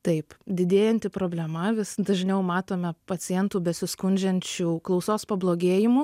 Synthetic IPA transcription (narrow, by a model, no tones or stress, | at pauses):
t̪ɐɪpd̪ʲɪd̪ʲeːjɛnʲt̪ʲɪpɾoːbʲlʲɛmɐʋʲɪsd̪ɐʒʲnʲɛʊmɑːt̪oːmʲɛpɐt͡s̪ʲɪjɛnt̪uːbʲɛsʲɪskʊnʲd͡ʒʲɛnʲt͡ʃʲuːklˠɒʊsoːspɐblˠoːɡʲeːjɪmuː